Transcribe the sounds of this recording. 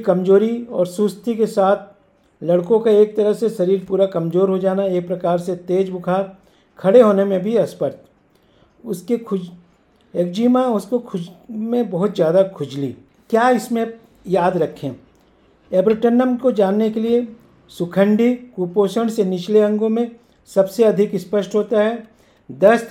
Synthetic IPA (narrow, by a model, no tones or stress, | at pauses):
kɐmzoːɾiɔːɾsʊst̪ʰikesaːt̪ʰ | lɐɽkõkaeːk̚t̪ɐɾəɦseʃɐɾiːɾpuːɾakɐmzoːɾɦod͡ʒaːnaeːk̚pɾɐkaːɾset̪eːd͡ʒbʊkʰaːɾ | kʰɐɽeɦoːnemẽbʱiɐspəɾt̪ | ʊskekʰʊ | eːk̚d͡ʒiːmãʊskokʰʊd͡ʒmẽbɐɦʊt̪zjaːd̪akʰʊd͡ʒlḭː | kjaːɪsmẽ | jaːd̪ɾɐkʰːḛ̃ | ebɾɪʈənːəmkod͡ʒaːnːekelie | sʊkʰə̃ɳɖikuːpoːʃəɽ̃senɪt͡ʃleɐ̃ŋɡõmẽ | sɐbseɐd̪ʱɪkɪspəʃʈɦoːt̪aɦɛː | d̪ɐs